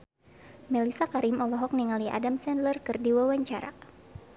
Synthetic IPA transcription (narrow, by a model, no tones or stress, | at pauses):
mɛlisakaɾimɔlɔɦɔk̚niŋaliʔa̰damsɛndlərkɨrdiwawaɲt͡ʃaɾa̰